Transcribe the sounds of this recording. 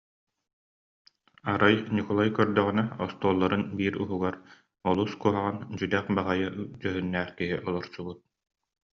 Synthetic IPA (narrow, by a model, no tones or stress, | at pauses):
aɾajnikɔlˠajkœɾd̪œʁinɛɔst̪uɔlˠːaɾɯnbiːɾṵɦuɡaɾ | ɔlˠuskuɦaʁand͡ʑyd̪ɛχbaʁajad͡ʑœɦynːæːχkiɦiʔɔlˠɔɾsubut̪̚